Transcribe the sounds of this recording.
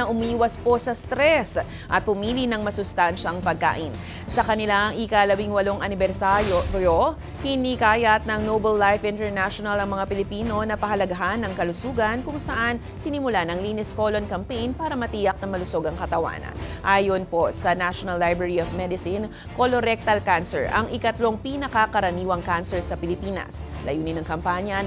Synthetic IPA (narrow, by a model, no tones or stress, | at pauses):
ɐʔʊmiːwɐspo̞sɐst̪ɾɛs | ʔɐt̪̚pʊmiːlinɐŋmɐsʊst̪anʃɐɐŋpɐɡ̚ka̰ːʔɪn | sɐkɐnɪlaʔɐŋʔɪkalɐbiŋwɐlo̞ŋʔɐnɪbɛɾsaɾjojo | hɪnikaːjɐt̪̚nɐŋnowbɛlːajfɪ̃nt̪ɛɹnaʃonɐlɐŋmɐŋapɪlɪpiːno̞nɐpɐɦɐlɐɡɐɦanːɐŋkɐlʊsuːɡɐnkʊŋsɐʔan | sɪnɪmʊlanɐŋliːnɛsko̞lonkɐmpejnpaːɾɐmɐt̪iːjɐk̚nɐŋmɐlʊso̞ɡɐŋkɐt̪ɐwa̰nʔaːjonpo̞sɐnaʃonɐlːajbɾɛɹiofmɛd̪ɪsɪn | koloɾɛk̚t̪ɐlkansɛ̰ɹʔɐ̰ŋʔɪkɐt̪lo̞ŋpinɐkɐkɐɾɐniːwɐŋkansɛɹsɐpɪlɪpiːnɐ̰slɐ̰juːnɪnɐŋkɐmpaɲjɐ